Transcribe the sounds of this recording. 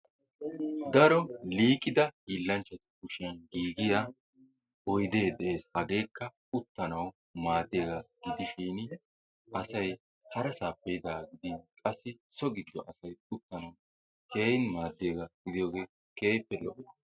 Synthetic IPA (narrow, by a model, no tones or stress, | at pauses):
d̪ɐɾɔliːkʼːɪd̪ɐhiːlːɐnt͡ʃːɐt̪ɪ̥kʊʃɪjɐnɡiːɡɪjaː | ɔjd̪e̞ːd̪ɛʔe̞ːshɐɡe̞ːkːɐ | ʊt̪ːɐnɐw | maːd̪ːeːɡɐɡ̥ɪd̪ɪʃiːn | ʔɐsɐj | hɐɾɐsaːpːɛjɪd̪aːɡɪd̪ikʼɐsːɪ | sɔɡɪd̪ːɔʔɐsɐjʊt̪ːɐnɐw | ke̞ːjɪnmaːd̪ːeːɡɐɡ̥ɪd̪ɪjo̞ːɡe̞ː | keːjpːɛlɔʔɔ